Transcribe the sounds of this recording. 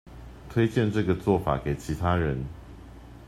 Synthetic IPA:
t̪ʰwe˥ɪt͡ɕjɛ˥˧nʈ͡ʂɤ˥˨ɡə˨t͡swɔ˥˨fa̰˨˩˦ke˨˩ɪt͡ɕʰi˨˥t̪ʰa˥ɻə˨˦n

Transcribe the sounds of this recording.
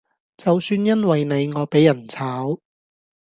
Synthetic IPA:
t͡sɐ˨wsyː˧njɐ˥nwɐ˨jne˨˧jŋɔː˨˧pe˨˥jːɐ˨˩nt͡sʰaː˨˥w

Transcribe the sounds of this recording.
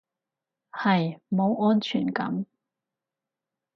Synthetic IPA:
hɐ˨jmo˨˧wɔː˥nt͡ʃʰyː˨˩nkɐ̰˨˥m

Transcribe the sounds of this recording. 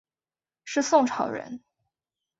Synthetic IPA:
ʂɻ̩˥˧sʊ˥˩ŋʈ͡ʂʰɑ˨˩ʊɻə̰˧˥n

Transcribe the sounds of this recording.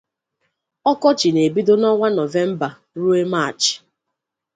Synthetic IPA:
ɔ˦kɔ˦t͡ʃi˨ne˨bi˦do˦nɔ˦ŋʷa˦nɔ˨ve˦m̩˦ba˨ | ɾu˦e˦ma˦˨t͡ʃ

